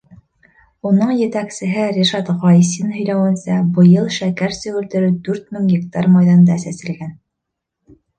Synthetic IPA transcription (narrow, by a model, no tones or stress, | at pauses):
unɤɴjɘ̆t̪æksɘ̆ɦɘɾʲiʃɑt̪ʁɑjsinɦɵ̆jlæwɘ̆nsæbɤ̆jɤlˠʃækæɾsɵ̆wɘ̆ɾt̪ɘ̆ɾɘd̪ʉɾt̪mɘŋɡʲek̚t̪ɑrmɑjðɑnd̪ɑsæsɘ̆lɡæn